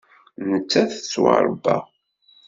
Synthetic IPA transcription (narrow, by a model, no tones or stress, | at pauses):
nət͡sːæθət͡sːwɑ̰ɾˤəbæ̰